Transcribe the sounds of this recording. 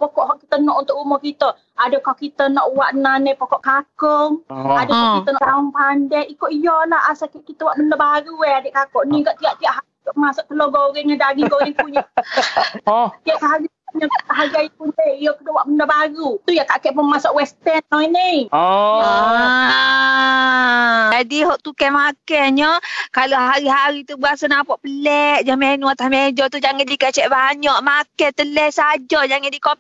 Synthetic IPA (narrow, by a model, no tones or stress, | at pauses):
pokɔʔɦɔʔki̥t̪ənɔʔunt̪ʊʔumɔkit̪ə | adəkɔkit̪ənɔʔwaʔnanəpokɔʔkakɔŋadəkɔkit̪ənɔʔt̪aɔŋpandɛʔikoʔjɔlahasakɛʔkit̪əwaʔbəndəbaɾueadeʔkakɔʔniɡaʔt̪iaʔt̪iaʔɦa | masʊʔ̚k̪əloɡoɾɛnədaɡiŋɡoɾɪŋpuɲə | t̪iaʔkaɦaɡipuɲəɡaʔkaʔɦaɡiajipunɛijɔkədoʔwaʔbəndəbaɾut̪ujakakɛʔpunmasɔʔwɛst̪ɛnːɔinej | adiɦɔʔt̪ukɛmakɛɲɔkaloɦaɾiɦaɾit̪ubəasanapaʔpəlɛʔd͡ʒamenuat̪ahmed͡ʒɔt̪ud͡ʒaŋandikət͡ʃɛʔbaɲɔʔmakɛt̪əlɛhsad͡ʒɔd͡ʒaŋandikɔ